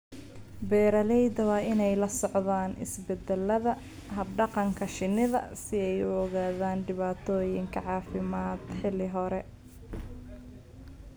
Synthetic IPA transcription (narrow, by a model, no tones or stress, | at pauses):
bɛːɾɐlɛjd̪ɐwɑːɪnɛjlɐsɔʕðaːnʔɪ̰sbɛd̪ɛlːɐðɐ | ɦɐb̚ɖɑqɑŋkʰɐʃɪnɪðɐ̰sɪɛjʊɔɣaːðaːnɖɪβaːt̪ʰɔːjɪŋkʰɐʕɑːfɪmaːd̪ħɪlɪɦɔɾɛ